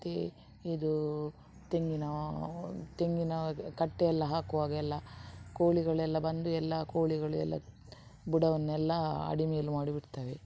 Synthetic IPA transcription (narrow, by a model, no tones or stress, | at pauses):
t̪e | id̪u | t̪eŋɡinɐ | t̪eŋɡinɐkɐʈːɛjɛlːɐɦaːkuʋaːɡɛlːɐkoːɭiɡɐɭɛlːɐbɐnd̪uɛlːɐkoːɭiɡɐɭuɛ̰lːɐ̰ | buɽɐʋɐnːɛlːɐɐ̰ɽimɛjɐlːumaːɽibiɽt̪aːʋe